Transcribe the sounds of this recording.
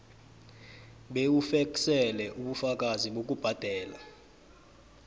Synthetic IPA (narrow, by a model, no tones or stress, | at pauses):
ɓeufɛksɛlɛʔuɓufak̬ʼaziɓok̬ʼub̥ʱad̥ʱɛːla